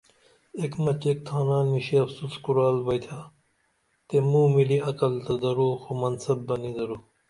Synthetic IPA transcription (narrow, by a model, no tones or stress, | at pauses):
ekmɐt͡ɕek̚t̪ʰaːnaːnmiɕiɐfsuskuɾaːlbɐjt̪ʰaː | t̪emuːmiliɐkɐlt̪ɐd̪ɐɾoːxomɐnsɐbːɐnid̪ɐɾoː